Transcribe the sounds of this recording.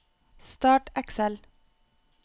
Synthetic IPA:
st̪ɑːʈæksɛl

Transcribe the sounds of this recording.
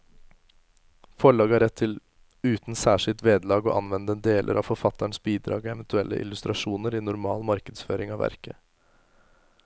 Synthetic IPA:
fɔɭɑːɡəæɾɛt̪ʰːɪl | ʉːt̪n̩sæːʂɪlt̪ʋeːd̪lɑːɡɔːʔɑnʋɛnd̪əɛnd̪eːlʔə̰ɾʔɑ̰ʋfɔɾfɑt̪æɳsbiːd̪ɾɑ̰ːɡɛɛʋənt̪ʰʉɛlːə̰ʔɪ̰lʉst̪ɾɑʂuːnəɾiːnʊɾmɑːlmɑɾkəd̪sføːɾɪŋɑʋæ̰ɾkə

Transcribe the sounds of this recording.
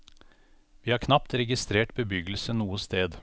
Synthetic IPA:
ʋiːhɑːɾkʰnɑpt̪ɾɛɡɪst̪ɾeːʈbəbʏɡəl̩sənuːəst̪eːd̪

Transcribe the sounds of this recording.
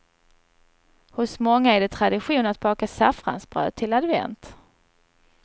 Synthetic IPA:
hʊsmɔŋːaæɖɛt̪ʰɾad̪ɪɧuːnat̪̚bɑːkasafɾa̰nsb̥ɾœ̰ːd̪̚t̪ʰːɪlad̪vɛ̰nt̪

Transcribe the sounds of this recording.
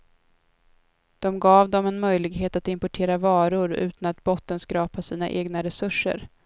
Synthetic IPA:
d̪̥ɔmɡɑːvd̪ɔmɛnmœjlɪɡɦeːt̪at̪ɪmpɔʈʰeːɾavɑːɾʊɾʉ̟̰ːt̪anat̪bɔt̪ːənskɾɑːpasiːnaʔeːɡnaɾɛsɵʂːə̰ɾ

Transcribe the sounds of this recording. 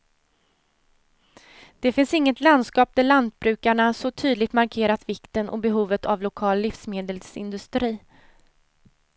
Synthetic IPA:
d̪̥ɛfɪnsɪŋːət̪land̪skɑːp̚t̪ɪland̪̚bɾʉ̟ːkaɳasɔt̪ʰyːd̪lɪɡt̪maɾkʰeːɾat̪vɪkt̪ənʔɔ̰bɛɦuːvət̪ʰavlʊkʰɑːlːɪfsmeːd̪əlsɪ̰nd̪ɵst̪ɾiː

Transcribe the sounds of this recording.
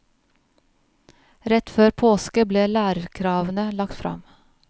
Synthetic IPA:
ɾɛt̪føːɾpʰoːskəbleːlæːɾəɾkʰɾɑːʋənəlɑkt̪fɾɑ̰m

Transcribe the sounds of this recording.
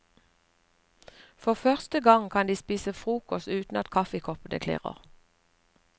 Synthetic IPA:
fɔʁfœʁst̪əɡɑŋkʰɑnd̪iːspiːsəfʁuːkɔst̪ʉːt̪n̩ɑt̪kʰɑfəkʰɔpənʔə̰kʰlḛːʁə̰ʁ

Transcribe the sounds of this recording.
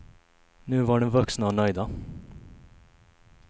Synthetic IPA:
nʉ̟ːvaɖɛnvɵksnaɔnœʏd̪a

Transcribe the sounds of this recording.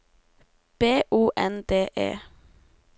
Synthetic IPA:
b̥eːʔuːʔɛnd̪eːʔḛː

